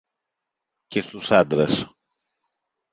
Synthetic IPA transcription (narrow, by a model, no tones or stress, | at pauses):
cest̪usad̪ɾas